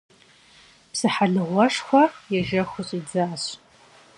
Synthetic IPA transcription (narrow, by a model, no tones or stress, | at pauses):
psɨħaɮɨʁʷɐʂxʷɔjɛʒɐxʷʊɕʼid͡zaːɕ